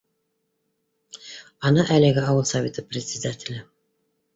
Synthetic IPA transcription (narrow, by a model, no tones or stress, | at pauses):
ɑnɤʔælɘ̆ɡʲɪɑwɤlˠsavʲet̪əprʲɪt̪sʲɪd̪atʲɪlʲɘ